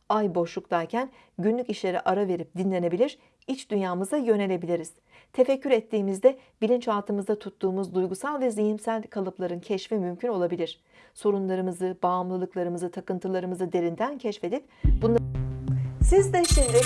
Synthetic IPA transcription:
ajbo̞ʃlˠukd̪ˠaɾcʰæn | ɟynlʲyciʃlʲe̞ɾḭʔaɾave̞ɾip̚d̪inlʲe̞ne̞bilʲiɾ̥ | it͡ʃd̪ynjaːmɯzd̪ajø̞ne̞lʲe̞bilʲiɾiz̥ | t̪ʰe̞fɛcːyɾɛt̪ʰːiːmizd̪ɛbilʲint͡ʃalˠt̪ʰɯmɯzd̪at̪ʰut̪ːuːmuzd̪ujɡusalʲˠvɛzijimsælʲkʰalˠɯplˠaɾɯncʰɛʃfimymcʰyno̞lˠabilʲiɾ̝̥ | so̞ɾunlˠaɾɯmɯzɯb̥aːmlˠɯlˠɯklˠaɾɯmɯzɯt̪ʰakɯnt̪ʰɯlˠaɾɯmɯzɯd̪e̞ɾind̪æncʰɛʃfe̞d̪ip̚ | bunlˠa | sizd̪ɛʃind̪ɪ

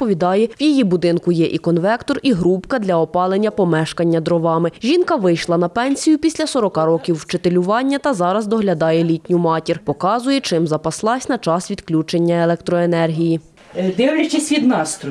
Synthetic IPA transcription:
pɔʋʲid̪ɑjɛwjijibʊd̪ɪnkʊjɛʔikɔnʋɛkt̪ɔriɦɾupkɐd̪lʲɐɔpɑlˠenʲːɐpɔmɛʃkɐnʲːɐd̪ɾɔʋɑmɪʒʲinkɐʋɪjʃlˠɐnɐpɛnʲsʲijʊpʲisʲlʲɐsɔɾɔkɑɾɔkʲiwːt͡ʃet̪elʲʊʋɑnʲːɐt̪ɐzɑɾɐzd̪ɔɦlʲɐd̪ɑjɛlʲitʲnʲʊmɑtʲirpɔkɑzʊjɛt͡ʃɪmzɐpɐslˠɑsʲnɐt͡ʃɑsʋʲid̪klʲut͡ʃenʲːɐelˠɛk̚t̪ɾɔenɛrɦʲiji | d̪ɪwlet͡ʃɛsʲʋʲid̪nɑst̪ɾʊ

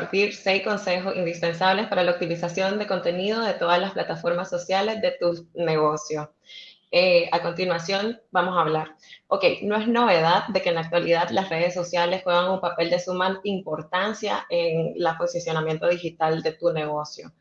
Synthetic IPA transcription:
ɾt̪iɾse̞jsko̞nse̞xo̞sind̪ispe̞nsaβ̞le̞spaɾalauk̚t̪ilisasjo̞nd̪e̞ko̞nt̪e̞nið̞o̞ð̞e̞t̪o̞ðaslasplat̪afo̞ɾmasːo̞sjale̞zðe̞t̪usne̞ɣo̞sjo̞ | eako̞nt̪inwasjo̞nbamo̞saːβlaɾoke̞jno̞e̞sno̞β̞e̞ð̞að̚d̪e̞ke̞ːnlak̚t̪waliðaðlasre̞ð̞e̞sːo̞sjale̞sxweɣaŋumpape̞ld̪e̞sumanimpo̞ɾt̪ansja̰eŋlapo̞sisjo̞namje̞nt̪o̞ð̞ixit̪ald̪e̞t̪une̞ɣo̞sjo̞

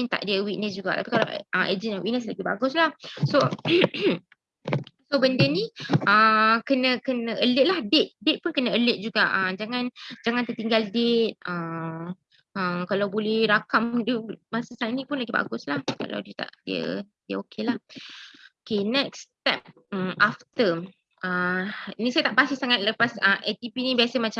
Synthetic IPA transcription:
mint̪a̰ʔdiəwiʔ̚nəs̬d͡ʒuɡa̰ʔt̪api̥kala̰əmʔḛd͡ʒənawiʔnəs̬laɡiba̰ɡʊslahso | sobəndəniəkənə̃kənə̃ʔələʔ̪̚lahdet̪̚det̪̚pʊnkənəələt̪̚d͡ʒuɡaʔəmd͡ʒaŋand͡ʒaŋant̪ət̪iŋɡaldet̪̚ə | əkalawbolɛhɾakamdumasəsanĩpʊnlaɡiba̰ɡʊslahka̰la̰wdiət̪a̰ʔdiə̰diəokelah | okenɛk̚st̪ɛp̚ | əmʔaft̪ə | əinĩsajət̪aʔpasihsaŋat̪̚ləpasəmʔɛt̪ipinibiasəmat͡ʃa

